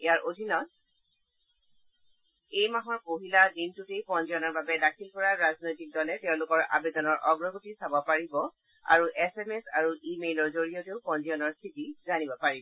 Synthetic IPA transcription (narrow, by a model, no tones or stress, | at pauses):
ejaɹʔodʱinɔt̚ | ejmaɦɔɹpoɦiladintutejpɔnzijɔnɔɹbabɛdakʰilkɔɹaɹaznojtik̚dɔlɛtɛʊ̃lʊkɔɹʔa̰bedɔnɔɹʔɔɡɹɔɡotisabɔpaɹibɔ | a̰ɹuʔɛsɛmɛsa̰ɹuʔimejlɔɹzoɹijoteʊpɔnzijɔnɔɹstʰitizanibɔpaɹibɔ